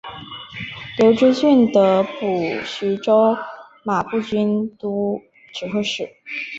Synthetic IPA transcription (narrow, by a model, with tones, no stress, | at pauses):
ljo˧˥ʊʈ͡ʂɻ̩˥ɕy˥˩nd̪ə˧˦pu˨˩ɕy˧˥ʈ͡ʂo˥ʊ | ma˨˩pu˥˩t͡ɕy˥nt̪u˧˥ | ʈ͡ʂɻ̩˨˩xɤ˥˧ʂɻ̩˨˩